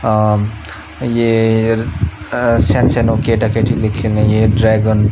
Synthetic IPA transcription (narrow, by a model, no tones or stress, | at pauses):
je | sensenokeʈakeʈilikʰilnijeɖɾaɡon